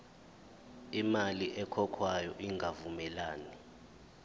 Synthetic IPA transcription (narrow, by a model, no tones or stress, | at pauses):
imaliʔɛkʰɔkʰwajɔʔiŋɡʱavumɛlaːni